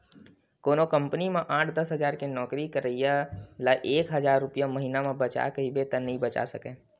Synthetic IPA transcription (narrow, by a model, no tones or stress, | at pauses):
koːnokə̃mpnimẽʔãːʈʰd̪əsɦəd͡ʒaːɾkenɔːkɾikəɾəijalaʔeːkɦəd͡ʒaːɾːʊpijaməɦinamẽbət͡ʃa̰kəɦibet̪ənəɦĩbət͡ʃa̰səkẽ